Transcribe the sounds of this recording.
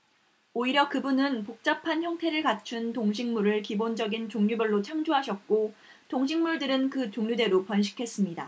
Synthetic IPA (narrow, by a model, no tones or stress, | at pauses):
oiɾjʌkɯbunɯnpok̚t͡ɕ͈apʰançjʌŋtʰe̞ɾɯɭkat͡ɕʰuntoŋɕ̬ʰiŋmuɾɯɭkibond͡ʑʌɡint͡ɕoŋɲubʌɭːot͡ɕʰaŋd͡ʑoɦaɕʰʌt̚k͈o | toŋɕʰiŋmuɭdɯɾɯnkɯt͡ɕoŋɲude̞ɾopʌnɕ̬ʰi̥kʰe̞s͈ɯmɲida